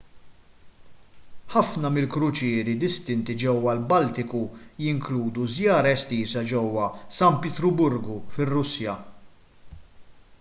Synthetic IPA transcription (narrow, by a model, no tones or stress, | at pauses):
ħɐfnɐmɪlkɾʊt͡ʃɪːɾid̪ɪst̪ɪnt̪id͡ʒɛwːɐlbɐlt̪ɪkujɪŋkluːd̪uzjɐːɾɐɛst̪iːzɐd͡ʒɛwːɐsɐmpɛt̪ɾʊbʊɾɡufɪrːʊsjɐ